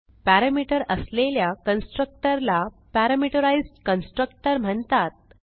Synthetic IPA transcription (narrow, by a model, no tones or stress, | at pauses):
pæɾəmiʈəɾəsleljakənsʈɾək̚ʈəɾla | pæɾəmiʈəɾaizɖkənsʈɾək̚ʈəɾm̤əɳt̪at̪̚